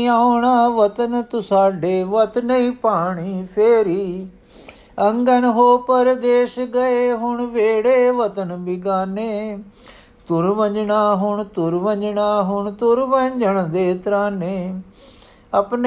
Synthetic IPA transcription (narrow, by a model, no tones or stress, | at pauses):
aːoɳaːʋət̪ənt̪ʊsaːɖeːʋət̪nəĩːpaːɳiːpʰeːɾiː | əŋɡənɦoːpəɾd̪eːʃɡəeːɦʊɳʋeːɽeːʋət̪ənbiɡaːneː | t̪ʊɾʋəɲd͡ʒɳaːɦʊɳt̪ʊɾʋə̃ɲd͡ʒɳaːɦʊɳt̪ʊɾʋəɲd͡ʒəɳd̪eːt̪ɾaːneː | əpn